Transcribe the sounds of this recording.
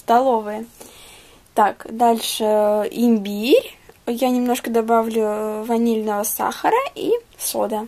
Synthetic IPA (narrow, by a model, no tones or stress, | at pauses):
st̪ɐlˠo̞vɨjə | t̪akd̪alʲʂɨɪmʲbʲiɾʲjanʲɪmno̞ʂkəd̪ɐbavlʲʊvɐnʲelʲnəvəsa̰xəɾəʔi | sod̪ə